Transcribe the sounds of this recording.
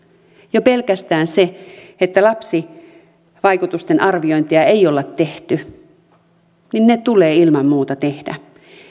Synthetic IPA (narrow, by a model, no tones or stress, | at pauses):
jope̞lkæst̪æːnseet̪ːælɑpsi | ʋɑjkut̪ust̪enʔɑrʋio̞jnt̪iɑejolːɑt̪ːeht̪y | ninːet̪uleːilmɑmːuːt̪ɑt̪e̞hdæ̰